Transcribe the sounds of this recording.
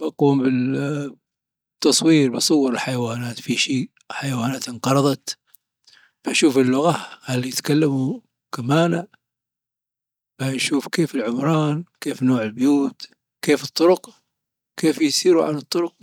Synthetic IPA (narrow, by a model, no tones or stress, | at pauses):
baquːmbɪ | t̪ːɑsˤwiːɾbɑsˤʊwːɑɾɪlħajawaːnaːt̪fiʃiː | ħajawaːnaːt̪ɪnqɑɾˤɑd̪ˤɑt̪ | b̥aʔʃuːfɪlːʊɣahalːijɪt̪kalːamu | kamaːna | b̥anʃuːfkeːfɪlʕʊmɾˤɑːnkeːfnoːʕɪlbjuːt̪ | keːfɨt̪ˤːʊɾʊq | keːfjsiːɾuʕa̰nɨt̪ˤːʊɾʊq̚